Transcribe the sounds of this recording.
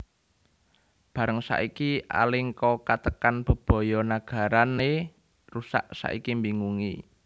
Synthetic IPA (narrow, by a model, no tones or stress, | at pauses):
b̥a̤ɾəŋsa̰ʔikiʔa̰lɪŋkɔkat̪əkanb̥ə̤b̥oɔ̤jɔnaɡ̥a̤ɾane | rusa̰ʔsa̰ʔḭkimbiŋuŋi